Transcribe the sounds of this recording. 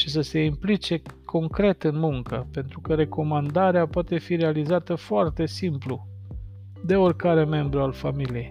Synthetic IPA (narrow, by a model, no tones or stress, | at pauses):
ʃisəse̞implit͡ʃe̞kʰo̞ŋkɾe̞t̪ɨnmuŋkəpe̞nt̪ɾukəɾe̞ko̞mand̪aɾeapoat̪e̞fiɾe̞alizat̪əfoart̪e̞simplu | d̪e̞orʲkaɾe̞me̞mbɾualfamilijej